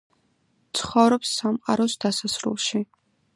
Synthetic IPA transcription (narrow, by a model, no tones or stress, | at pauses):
t̪sʰχɔvɾɔpsːamqʼaɾɔsd̪asasɾṵlˠʃi